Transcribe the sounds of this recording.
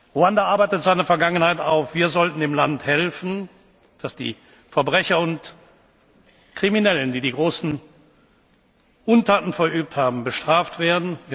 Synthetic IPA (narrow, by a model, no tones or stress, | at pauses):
ʁoandɐʔaɐbaɪtətz̥aɪnɐfɛɐɡaŋənhaɪtaʊfv̥iːɐzɔltn̩ɪmlanthɛlfn̩ | d̥asd̥ḭː | fɛɐbʁɛçɐʊnt | kʁ̥iminɛləndiːdiːɡʁoːsn̩ | ʔʊntʰaːtn̩fɛɐʔyːp̚thaːbm̩bəʃtʁ̥aːftv̥eːɐdn̩viːɐ